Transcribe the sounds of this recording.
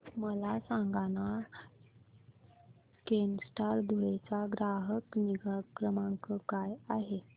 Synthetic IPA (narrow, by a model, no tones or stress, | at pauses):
məlasãŋɡana | kensʈaɾd̪ʱuɭet͡saɡɾaɦəkniɡakɾəmãŋkəkajaɦe